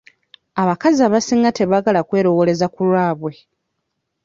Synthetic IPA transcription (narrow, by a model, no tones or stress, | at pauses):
aβakaziaβasiːŋɡate̞βaɡalakwe̞ːɾo̞wole̞zakulwaːβwe̞